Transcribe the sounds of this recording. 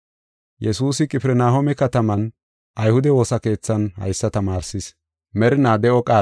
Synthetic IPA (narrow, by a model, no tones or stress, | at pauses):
jɛsuːsɪkʼɪpɪɾɛnaːɦomɛkɐt̪ɐmɐn | ʔɐjhʊd̪ɛwo̞ːsɐke̞ːt͡sːɐnhɐ̰jsːɐt̪ɐmaːɾsɪs | mɛɾɪnaːd̪ɛɔkʼaː